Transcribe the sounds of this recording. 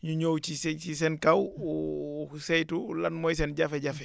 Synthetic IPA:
ɲuɲowt͡ʃisɛt͡ʃisɛnkawu | sɛjtulɐnmɔjs̬ɛnɟɐfɛɟɐfɛ

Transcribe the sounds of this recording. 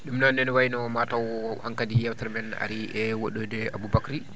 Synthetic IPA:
ɗumnɔnːɛnwajinɔmatawɔhaŋkadijɛwtaɾmɛna̰ɾiʔɛwoɗɔdɛabubakɾi

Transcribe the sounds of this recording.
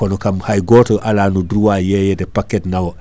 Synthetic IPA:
konokamhajɡoːtoʔalaːnudɾuwajejedepakːetnawo

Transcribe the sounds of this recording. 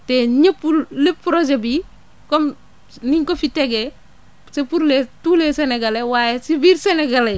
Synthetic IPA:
teɲɐpːulepːɾod͡ʒebi | kɔm | niŋkofiteɡe | sepuɾletuleseneɡalewajesibiɾseneɡale

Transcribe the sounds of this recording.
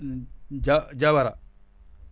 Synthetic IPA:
d͡ʒad͡ʒaβaɾa

